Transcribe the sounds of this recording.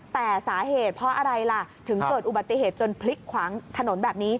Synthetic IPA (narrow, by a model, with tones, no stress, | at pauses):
t̪ɛː˨˩saː˩˦ɦeː˨˩t̪̚pʰɔ˦˥ʔa˧ɾa˧jla˧˩t̪ʰɯ˩˦ŋkɤː˨˩t̪̚ʔu˨˩ba˨˩t̪ːi˨ɦeː˨˩t̪̚t͡ɕo˧npʰli˦˥kʰːwaː˩˦ŋt̪ʰa˧no˩˦nbɛː˨˩p̚niː˦˥